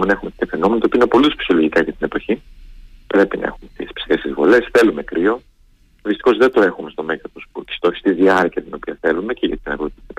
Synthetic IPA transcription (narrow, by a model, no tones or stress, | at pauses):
menɐe̞xumet̪t̪ɐfe̞no̞menɐt̪oinopo̞lit̪espsio̞loʝikɐʝɐt̪ine̞po̞çipɾe̞pinɐ̰e̞̰xumet̪ispsi̥est̪izvole̞sθe̞lume̞kɾʔio̞ | ðist̪i̥xo̞zðed̪o̞e̞xume̞st̪o̞meɣɐt̪ospuci̥st̪o̞çist̪izðiɐɾciɐt̪ino̞piɐθe̞lume̞ceʝɐt̪inɐɣut̪sɐ